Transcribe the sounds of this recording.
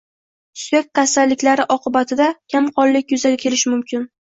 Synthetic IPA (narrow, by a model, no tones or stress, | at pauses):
sek̚ʲkasalːɪkʲlaɾɪʔɒqɨbat̪ʰɪd̪akʲʰamqʰɒlːɪkʲjʊzaɡʲakʲʰe̞lɪʃmʊmkʲɪn